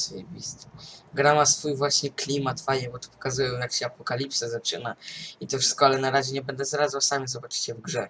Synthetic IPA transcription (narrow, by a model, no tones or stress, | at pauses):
sɔjɛbʲist̪ɛɡɾamasfujvwaɕɲɛklʲimat̪fajɛbɔt̪ɔ̥pɔ̥kazujɛ̃jakɕɛapɔkalʲipsazat͡ʂɘ̰nait̪ɔfʂɘ̥skɔalɛnaɾaʑɛɲɛbɛnd̪ɛzaɾazwasamʲjɛzɔbat͡ʂɨ̥t͡ɕɛvɡʐɛ